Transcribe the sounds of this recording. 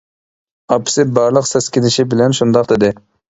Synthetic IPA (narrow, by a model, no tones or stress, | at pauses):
ɑpʰsɪt̪̚bɑɾlˠəqsɛskʲɪnɪʃɪbɪlɛnʃund̪ɑqd̪ɪd̪ɪ